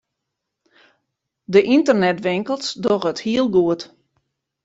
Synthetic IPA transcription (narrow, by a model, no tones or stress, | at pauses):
dəʔintərnɛtʋɪŋkəlˠsdɔɣəthiəlˠɡuət